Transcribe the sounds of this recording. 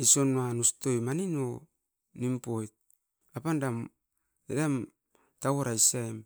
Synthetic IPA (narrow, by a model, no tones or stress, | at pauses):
iso̞nanusto̞jmanino̞ | nimpo̞jt̚ | apandam | edam | tawoɾaisaem